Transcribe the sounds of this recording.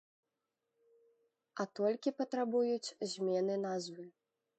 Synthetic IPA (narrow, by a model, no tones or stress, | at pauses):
ɐt̪ɔlʲkʲipɐt̪ɾabujut͡sʲzʲmʲɛnɨnazvɨ